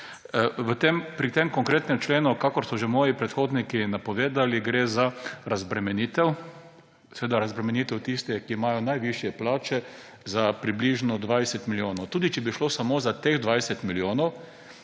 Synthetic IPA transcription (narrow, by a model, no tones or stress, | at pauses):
ʋət̪empɾit̪emkɔŋkɾeːt̪nɛmt͡ʃleːnukakɔɾsɔʒɛmɔːjipɾɛt̪xoːd̪nikinapɔʋeːd̪aliɡɾeːzaɾazbɾɛmɛniːt̪ɛw | sɛʋeːd̪aɾazbɾɛmɛniːt̪ɛwt̪ist̪ɛkiːmaːjɔnajʋiʃjɛplaːt͡ʃɛ | zapɾibliʒnɔd̪ʋajsɛt̪miljoːnɔwt̪uːd̪it͡ʃɛbiʃlosamoːzat̪eːɣd̪ʋajsɛt̪miljoːnɔw